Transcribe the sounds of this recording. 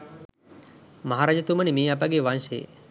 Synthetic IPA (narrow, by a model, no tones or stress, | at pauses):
maɦaɾad͡ʒət̪umənimiːap̬aɡeʋanʃḛː